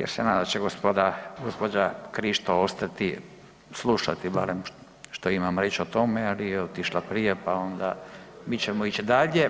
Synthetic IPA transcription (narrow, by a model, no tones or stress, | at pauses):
jḛɾsenaːd̪aat͡ʃeɡospod̪aɡospod͡ʒakɾiʃt̪oost̪at̪i | slˠuʃat̪iba̰ɾem | ʃt̪oimamɾeːt͡ʃot̪o̞mealijɛot̪iʃlapɾijepao̞nd̪a̰miːt͡ɕemoit͡ɕid̪aʎe